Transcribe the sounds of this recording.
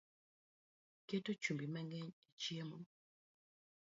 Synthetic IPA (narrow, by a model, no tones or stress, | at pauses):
ketot͡ʃumbimɛŋɡɛɲit͡ʃiemu